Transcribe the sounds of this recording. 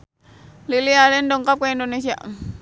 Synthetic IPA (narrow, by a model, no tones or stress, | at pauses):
lilialɛndɔŋkap̚kaindones̬ia̰